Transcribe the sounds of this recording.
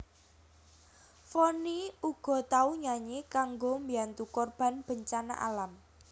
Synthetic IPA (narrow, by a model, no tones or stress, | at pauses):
fɔniuɡ̥ɔ̤t̪auɲaɲekaŋɡombiant̪ukorb̥a̤nb̥ə̤ɲt͡ʃana̰ʔa̰lam